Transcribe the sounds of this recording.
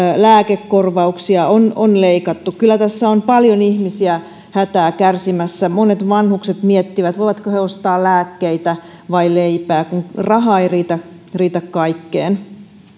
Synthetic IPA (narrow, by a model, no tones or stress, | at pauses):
læːkekːorʋɑuksiɑononleikɑt̪ːukkylːˑæt̪æsːæompɑljonihmisiæ | hæt̪æːkærsimæsːæmonet̪ʋɑnhukset̪miet̪ːiʋæt̪ʋoiʋɑt̪koheost̪ɑːlæːkːeit̪æ | ʋɑileipæːkuŋrɑɦɑeiriːt̪æ | riːt̪ækkɑikːeːn